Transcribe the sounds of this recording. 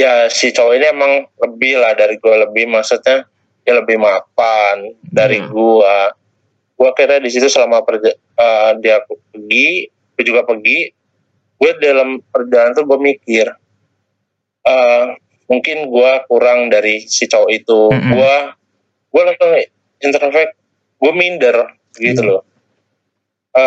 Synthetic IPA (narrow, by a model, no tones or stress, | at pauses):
jasit͡ʃawoiniemaŋləbɪhlahdaɾiɡualəbɪhmaksut̪̚ɲa | dialəbɪhmap̚andaɾiɡua | ɡ̥uakiɾadisit̪usəlamapər | ədiapəɡi | ɡuad͡ʒuɡapəɡi | ɡuadalampərd͡ʒalant̪uɡuamikɪr | ʔə | muŋkɪnɡuakuɾaŋdaɾisət͡ʃaoit̪uɡua | ɡualasaŋ | int̪əɾfɛk̚ | ɡuamindər | bəɡit̪ulʊ | ʔə